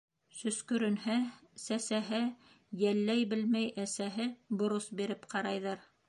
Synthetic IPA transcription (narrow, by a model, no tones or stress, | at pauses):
sɵ̆skɵ̆ɾɵ̆nhæsæsæɦɘ | jælːæjbɘlmæjʔæsæɦɘbŏɾosbiɾɘpqʰɑɾɑjðɑɾ